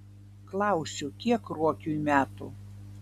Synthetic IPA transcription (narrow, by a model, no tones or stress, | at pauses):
klˠɑˑʊsʲʊkʲiɛkɾuɔkʲuːmʲæːt̪ʊ